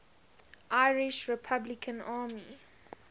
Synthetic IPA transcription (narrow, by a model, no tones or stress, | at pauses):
ʔaɪɹɪʃɹɛpʰablɪkʰə̃naːmi